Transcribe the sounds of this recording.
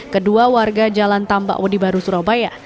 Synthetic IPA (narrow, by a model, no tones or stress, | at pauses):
kəduawarɡad͡ʒalant̪amba̰ʔwədibaɾusuɾabaja